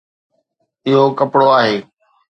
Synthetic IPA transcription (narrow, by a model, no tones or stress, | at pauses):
ɪɦokəpɽoaːɦeː